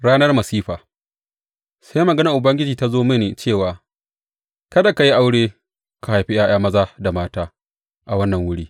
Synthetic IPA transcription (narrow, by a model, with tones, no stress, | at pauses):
ɽaː˦nɐ˦rmɐ˨siː˦ɸaː˨ | sa˦jmɐ˨ɡɐ˦na˨ʔʊ˨bɐ˦ŋɡʲɪ˦d͡ʒiː˨ta˦zoː˦mɪ˦neː˨t͡ʃeː˦˨waː˨ | kɐ˦da˨ka˨ji˦ʔa˦wɽeː˦ | ka˨ha˨jɸi˦j̰aː˦j̰aː˦mɐ˦zaː˦da˨maː˦taː˦ | ʔa˨wɐ˦nːɐ˨ŋwʊ˦ɽiː˦